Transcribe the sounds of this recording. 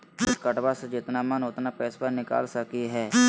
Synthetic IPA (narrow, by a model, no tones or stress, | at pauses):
ʊkəʈʋased͡ʒɪt̪namɐnʊt̪napɛːspəɾnɪka̰ːlsəkiɦɛː